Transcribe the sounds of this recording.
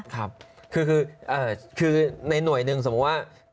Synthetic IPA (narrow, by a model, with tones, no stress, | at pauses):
kʰa˦˥p̚kʰɯː˧kʰɯː˧ʔɤː˨˩kʰɯː˧na˧jnu˨˩əjnɯ˧ŋso˧˦˥t̚waː˥˩